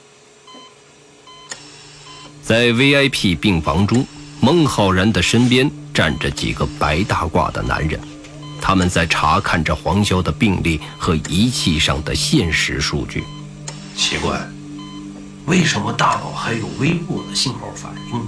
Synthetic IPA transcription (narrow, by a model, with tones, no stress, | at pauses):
t͡sa˥˩ɪwe˥ɪa˥ɪpʰi˥˧pi˥˩ŋfɑ̰˧˥ŋʈ͡ʂʊ˥ŋmɤ˧˥ŋxɑ˨˩ʊɻə˧˥nd̪ə˨ʂə˥npjɛ˥nʈ͡ʂa̰˥˩nʈ͡ʂə˦t͡ɕḭ˨˩ɡə˦pa˧˥ɪt̪a˥˧kwa̰˥˩d̪ə̰˩na̰˧˥nɻə̰˧˥n | t̪ʰa˥mə˨nt͡sa˥˩ɪʈ͡ʂʰa˧˥kʰa˥˩nʈ͡ʂə˩xwɑ˧˥ŋɕjɑ˥ʊd̪ə˨pi˥˧ŋli˥˩ | xɤ˧˥i˧˥t͡ɕʰi˥˧ʂɑ̰˥˩ŋd̪ə̰˩ɕjɛ˥˩nʂɻ̩˧˥ʂṵ˥˧t͡ɕy̰˥˩ | t͡ɕʰi˧˥kwa̰˥˩ɪ | we˥˩ɪʂə˧˥nmə˧t̪a˥˧˩lɑ̰˨˩ʊxa˧˥ɪjo˨˩ʊwe˥ɪpu˥˩d̪ə˩ɕi˥˧nxɑ˥˩ʊfa̰˨˩ni˥ŋ